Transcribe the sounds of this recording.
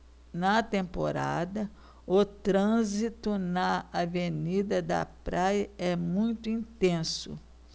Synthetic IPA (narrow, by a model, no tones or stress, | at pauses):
nɐt̪ẽmpo̰ɾa̰d̪ɐ | ʊt̪ɾɐ̃zit̪ʊnɐavenid̪ɐd̪ɐ̰pɾajɐɛmũj̃t̪ʊĩnt̪ẽsʊ̰